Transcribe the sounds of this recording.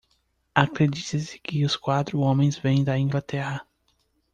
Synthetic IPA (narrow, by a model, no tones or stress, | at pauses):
akɾed͡ʒit̪ɐsɪ̥kɪʊskwat̪ɾʊõmẽj̃zvẽj̃d̪ɐĩŋɡlat̪ɛhɐ